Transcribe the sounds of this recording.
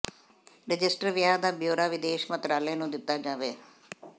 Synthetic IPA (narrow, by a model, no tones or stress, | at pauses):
ɾɪd͡ʒɪsʈəɾʋjaːd̪aːbjoːɾaːʋɪd̪eːʃmət̪ɾaːlenũːd̪ɪt̪ːaːd͡ʒaːʋeː